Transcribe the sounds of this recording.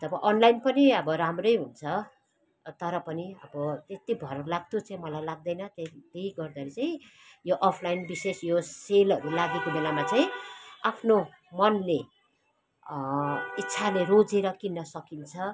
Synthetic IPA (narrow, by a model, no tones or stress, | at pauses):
d͡zʌbʌʔʌnlajnpʌniʌbʌɾamrʌjɦunt͡sʰʌ | t̪ʌɾʌpʌniʌ̰bʌt̪et̪ibʱʌɾʌlaɡt̪ʰot͡sãĩmʌlajlaɡ̚d̪ʌjnʌt̪et̪ejɡʌrd̪aɾit͡saĩ | joʔʌpʰlajnbisesjoselʌɾulaɡekobelamat͡saĩapʰno | mʌnle | itːsʰalerod͡zeɾʌkinːʌsʌkint͡sʰʌ